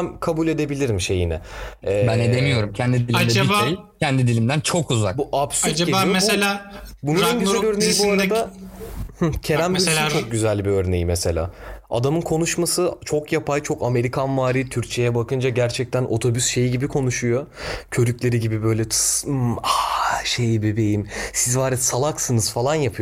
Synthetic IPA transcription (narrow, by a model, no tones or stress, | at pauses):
ænkʰabulʲe̞d̪e̞bilʲiɾimʃe̞jinɛɛːbæned̪emijo̞ɾumcʰɛnd̪iilʲaaaː | cʰɛnd̪id̪ilʲimd̪ænt͡ʃʰo̞kuza̰kbuʔapsyd͡ʒaaːmeelʲaːbunanɡyzælʲøɾnejibuaɾad̪a | h̩cʰe̞ɾæmbit͡ʃok̚ɟyzælʲbiøɾne̞jimese̞lʲa̰ːa̰d̪amɯnkʰo̞nuʃmasɯt͡ʃʰo̞kjapʰajt͡ʃʰo̞kame̞ɾikʰanvaːɾiːt̪ʰyɾt͡ʃʰe̞jɛbakɯnd͡ʒaɟæɾt͡ʃʰɛc̚t̪ʰænʔo̞̰t̪ʰo̞bysʃe̞jiɟibikʰo̞nuʃujo̞cʰø̞ɾyclʲe̞ɾiɟibibø̞jlʲɛt̪ʰɯ̥smaʃe̞jbebe̞jimsizvaːɾɛsalˠaksɯnɯz̥falˠanjapʰɯjo